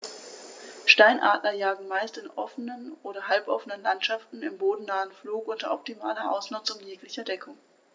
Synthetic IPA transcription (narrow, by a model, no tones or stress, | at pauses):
ʃtaɪnʔa̰ːtlɐjaːɡŋ̩maɪstɪnʔɔfənənʔoːɾɐɦalpʔɔfənənlantʃaftn̩ɪmboːdn̩naːənfluːkʔʊntɐʔɔp̚timaːlɐʔa̰ʊsnʊt͡sʊmjeːklɪçɐdɛkʰʊŋ